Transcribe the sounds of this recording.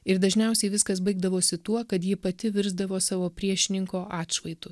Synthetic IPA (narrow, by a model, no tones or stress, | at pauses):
ɪɾd̪ɐʒʲnʲɛˑʊsʲɛɪʋʲɪskɐs̬bɐɪɡ̚d̪ɐʋoːsʲɪt̪uɔkɐt̪jɪːpɐt̪ʲɪʋʲɪɾzd̪ɐʋoːsɑːʋoːpʲɾʲiɛʃʲɪnʲɪŋkoːʔɑːt̪ʃʋɐɪt̪ʊ